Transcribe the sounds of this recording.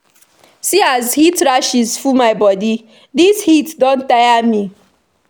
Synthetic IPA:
siazhitɾaʃizfumaɪbɔdi | dishitdɔ̃n̩tajami

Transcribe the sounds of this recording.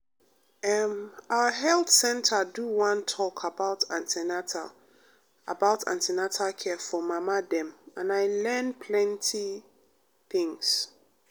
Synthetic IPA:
ɛmawəɦɛlθsɛ̃ntʰaduwãntʰɔkʰabaʊtʰãntʰinatʰa | a̰baʊtʰã̰ntʰinatʰakʰɛfɔmãmadɛ̃mãnaɪlɛ̃npʰlɛ̃ntʰi | θɪ̃ŋs

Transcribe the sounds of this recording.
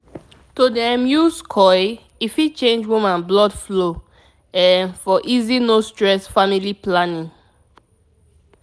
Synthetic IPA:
todɛ̃mjuskʰɔɪ | ifit͡ʃẽnd͡ʒwumãnblɔdflo | ɛfɔʔizinostɹɛsfamiliplanĩŋ

